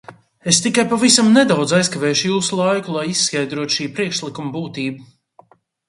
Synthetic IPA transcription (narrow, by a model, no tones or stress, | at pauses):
est̪ikajpavisamnɛd̪awd̪zajskavɛːʃʊjuːsulˠajkulˠajisːkajd̪ɾuɔt̪u̥ʃiːpɾiɛkʃlˠikumabuːt̪iːbu